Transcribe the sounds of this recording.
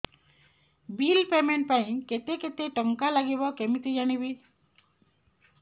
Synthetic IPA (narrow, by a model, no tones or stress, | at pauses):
bilpemeɳʈ̚paj̃ket̪eket̪eʈəŋkalaɡibɔkemit̪ed͡ʒaɽ̃iβi